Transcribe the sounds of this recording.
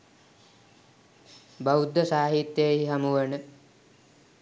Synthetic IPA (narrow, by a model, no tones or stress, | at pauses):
baud̪ːəsaːɦit̪jejɦiɦamuʋənə